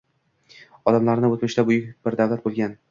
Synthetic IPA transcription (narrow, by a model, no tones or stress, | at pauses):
ɒd̪amlaɾnɪot̪mɪʃt̪abʊjɪk̚ʲbɪɾd̪avlat̪̚bolˠɡʲan